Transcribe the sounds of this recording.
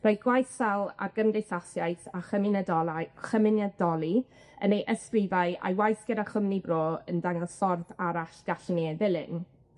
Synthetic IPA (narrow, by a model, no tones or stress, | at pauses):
rojɡ̥wajsalˠa̰rɡəmdejsasjajθaχəmɪnɛdɔlˠajχəmɪnadɔlˠi | ənejʔəskrɪvaɨʔa̰jwajθɡ̥ədaχəmnibroːəndaŋɔsɔrθaɾaɬd̥aɬneːvɪlˠɪn